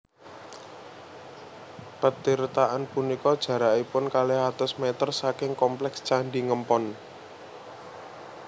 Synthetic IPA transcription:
pət̪iɾt̪aʔanpunikɔd̥ʒ̥ä̤ɾaʔipʊnkaleɦat̪ʊsmet̪ərsakɪŋkɔmplɛkst͡ʃaɳɖiŋəmpɔn

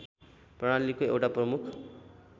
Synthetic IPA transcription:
prʌɽ̃alikoewʈaprʌmukʰ

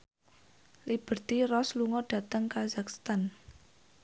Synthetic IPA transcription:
lib̥ə̤rt̪irɔsluŋɔɖ̥ä̤t̪əŋkazak̚st̪an

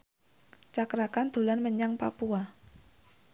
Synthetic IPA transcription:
t͡ʃakɾakand̪̥o̤lanməɲaŋpa̰pua

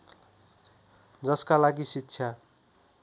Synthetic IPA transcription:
d͡zʌskalaɡisitːsʰja

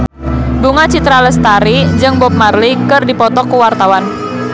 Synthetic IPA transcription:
buŋat͡ʃit̪ɾaləst̪aɾid͡ʒɨŋbɔp̚marlikərdipɔt̪ɔkːuwart̪awan

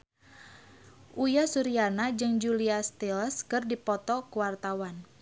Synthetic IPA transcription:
ʔujasuɾianad͡ʒɨŋd͡ʒuliast̪ilskɨrdipɔt̪ɔkuwart̪awan

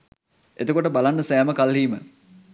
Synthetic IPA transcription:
et̪əkoʈəbalanːəsæːməkalɦiːmə

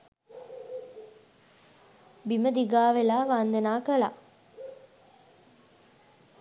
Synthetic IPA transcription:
biməd̪iɡaːʋelaːʋand̪enaːkəla̰

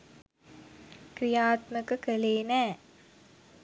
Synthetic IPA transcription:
kɾijaːt̪məkəkəleːnæː

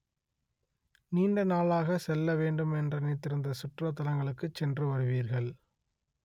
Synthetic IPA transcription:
niːɳɖɐnaːlaːɣɐsɛlːɐʋeːɳɖɯmɛndrɐniːt̪ːɪɾɯnd̪ɐsʊʈrɐt̪ːɐlɐŋɡɐɭɯkːɯt͡ʃːɛndrɯʋɐɾɯʋiːɾɣɐɭ

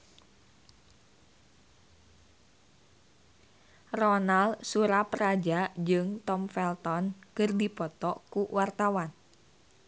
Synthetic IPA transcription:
rɔnalsuɾapɾad͡ʒad͡ʒɨŋt̪ɔmfɛlt̪ɔnkɨrdipɔt̪ɔkuwart̪awan

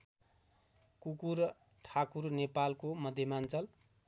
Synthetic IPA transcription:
kukur | ʈʰakurnepalkomʌd̪ʱːjemant͡sʌl

